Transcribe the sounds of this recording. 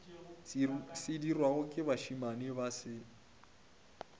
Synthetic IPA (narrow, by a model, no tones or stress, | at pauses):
sɪdirwaɣʊkʼɪβaʃimanɪβasɪ